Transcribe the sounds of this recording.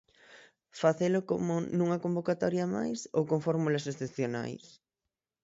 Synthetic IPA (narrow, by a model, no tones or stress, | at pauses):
faθelʊko̰mʊnũŋɐkombokat̪ɔɾjɐma̰jso̰wkoŋfɔɾmulɐsesθepθjona̰js